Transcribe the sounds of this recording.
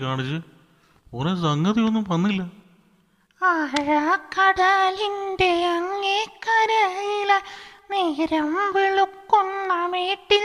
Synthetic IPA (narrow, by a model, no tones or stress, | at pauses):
kaːɳit͡ɕːɨ | oresɐŋɡɐðio̞nːumʋɐnːilːɐ | aɻakɐɽaːlindeɐŋːekɐɾajilɐneːɾɐmʋiɭukːonːɐmeːʈːi